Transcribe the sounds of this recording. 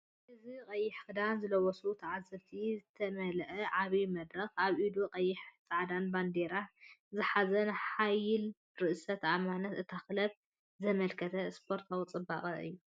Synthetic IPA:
ʔɨzikʼɐjːɪħxɨd̪anzɨlɐwɔsut̪ʰɐʕazɐβt̪ʰizɨt̪ʰɐmɐlʔɐʕaβimɐd̪ɾɐxaβʔid̪uqʼɐjːɪħsʼaʕd̪anband̪eɾazɨħazɐnħajɪl | ɾɨʔsɐt̪ʰʔamanɐt̪ɨt̪ʰaxlɐβ | zɐmɐlkʰɐt̪ʰɐspʰo̞ɾt̪ʰawit͡sʼɨbːa̰kʼɐɨ̰jːu

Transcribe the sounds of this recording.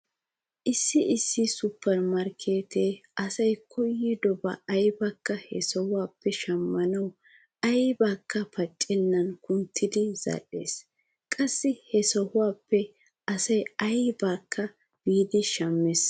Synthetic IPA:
ʔɪsːɪʔɪsːɪsʊpːɛɾmɐɾkʰe̞ːt̪ʰeːʔɐsɐjkʰɔjːɪd̪ɔbɐ̰ːjbɐkːɐhɛ̰sɔhʊwaːpːɛʃɐmːɐnɐw | ɐjbaːkʰːɐpʰɐt͡ʃʼːɛnːɐnkʊnt̪ʰːɪd̪ɪz̥ɐ̰ᶑe̞̰ːs | kʼɐsːɪhɛsɔhʊwaːpːɛ | ʔɐsɐjɐjbaːkʰːɐ | b̥iːd̪ɪʃɐmːɛs

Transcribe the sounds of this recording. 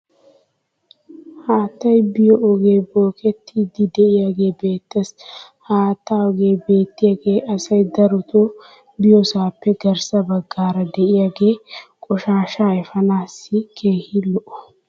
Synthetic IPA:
haːt̪ːɐjbɪjɔʔɔɡe̞ːboːkʼɛt̪ʰːiːd̪ɪd̪ɛʔɪjaːɡe̞ːbe̞ːt̪ːɐs | haːt̪ːaːɔɡeːbe̞ːt̪ːɪjaːɡe̞ːʔɐsɐjd̪ɐɾʊt̪ʰɔ | bɪjɔsaːpːɛɡɐɾsɐbɐɡːaːɾɐd̪ɛʔɪjaɡe̞ːkʼɔʃaːʃaːɛfɐnaːsːɪkʰe̞ːhɪlɔʔɔ̥

